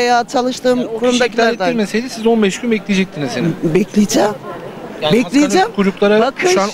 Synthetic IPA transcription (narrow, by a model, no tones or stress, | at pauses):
ejaːt͡ʃʰalˠɯʃt̪ɯːmkʰuɾumd̪acʲiaɾd̪amesejd̪ʲɛsizonbɛʃkʰʲymɛclʲijed͡ʒɛc̚t̪ʰinizenbɛclʲijd͡ʒɛm | bɛlʲijd͡ʒd͡ʒɛmkʰud͡ʒuklˠaɾabakʰɯʃuan